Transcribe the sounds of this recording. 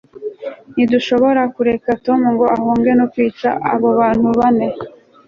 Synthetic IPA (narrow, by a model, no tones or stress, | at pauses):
niduʃo̞βo̞ɾakuɾe̞kato̞muŋɡo̞ʔahoːŋɡenokwiːt͡ʃa̰ʔa̰βo̞βaːn̥huβane̞